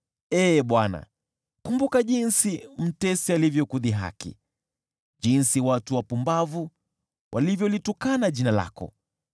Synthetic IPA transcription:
ɛːɓwana̰ | kumbukaʄinsim̩tɛsialivjɔkuðiɦa̰kḭ | ʄinsiwatuwapumbavu | wʔalivjɔlitukanaʄinala̰kɔ̰

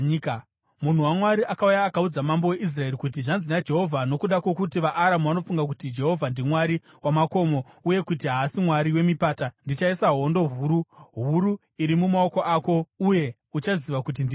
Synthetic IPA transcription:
k | mun̤uwamwaɾiʔakaujaːkaud͡zamambowe̞ʔis̬rae̞ɾikutiʐanzinad͡ʒe̞ɦo̞vʱano̞kuɗakwo̞kutiʋaʔːɾamuʋano̞fuŋɡak̬utid͡ʒe̞ɦo̞vʱandimwaɾi | wamako̞mo̞ | uje̞kut̬iɦaːsimwaɾiwe̞mipaːtandit͡ʃaisaɦo̞ndo̞ɦuːɾuɦuɾu | iɾimumao̞ko̞ʔaːko̞uje̞ | ut͡ʃaziʋakut̬indi

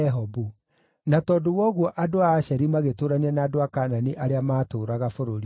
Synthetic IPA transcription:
ɛɦɔbu | natɔdowɔɣwɔʔadoaːʃɛɾimaɣetoːɾanianaːdoakaːnaniʔaɾeamaːtoːɾaɣafoɾoɾi

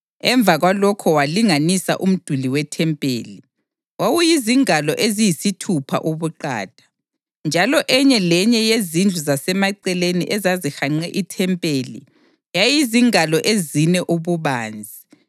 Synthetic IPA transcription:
ɛɱb̪vʱaɣwalɔkʰɔwaliŋanisa̰ʔum̩d̥ʱuliwɛtʰɛmpʼḛːli | wawujiziŋalɔʔezijisitʰupʰa̰ʔoβuǃa̰ːd̥ʱḁ | nd͡ʒʱalɔʔɛɲɛlɛɲɛjezind͡ɮʱuzasɛmaǀɛleniʔɛzazixaŋ͡ǀɛʔitʰɛmpʼelḭ | jajiziŋalɔʔezinɛʔuβuβaːnd͡zʱi

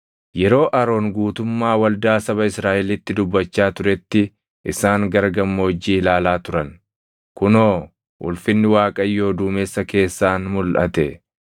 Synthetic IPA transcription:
jɛɾo̞ːʔɐɾo̞ːŋɡuːt̪ʊmːaːwɐld̪aːsɐβɐɪsɾaːʔɛlɪt̪ːɪd̪ʊbːɐt͡ʃːaːt̪ʊɾɛt̪ːɪ | ʔɪsaːŋɡɐɾɡɐmːoːd͡ʒːiːlaːlaːt̪ʊɾɐn | kʊnoː | ʔʊ̰lfɪnːɪwaːkʼɐjːo̞ːd̪uːmesːɐke̞ːsːaːnmʊlʔɐ̰t̪ɛ

